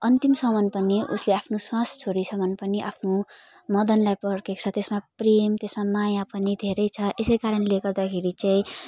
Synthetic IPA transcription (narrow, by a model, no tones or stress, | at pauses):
ʌnt̪imsʌmʌnpʌniʔṵsleapʰnoswãst͡sʰoɾit͡sʰʌmʌnpʌniʔapʰno | mʌd̪ʌnlajpʌɽkekt͡sʰʌt̪esmapremt̪esmamajapʌnid̪ʱeɾʌjt͡sʰʌʔesʌjkaɾʌnleɡʌrd̪akʰeɾit͡sãĩ